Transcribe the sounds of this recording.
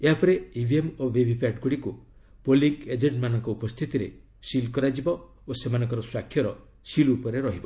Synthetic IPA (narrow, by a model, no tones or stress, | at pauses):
eɦapʰɔɾeibʱiemobebʱipaʈɡuɽikupoliked͡ʒeʈmanɔŋkɔupɔst̪ʰit̪iɾḛ | silkɔɾad͡ʒibɔ | osemanɔŋkɔɾɔswakʰːjɔɾɔ | silupɔɾeɾɔɦibɔ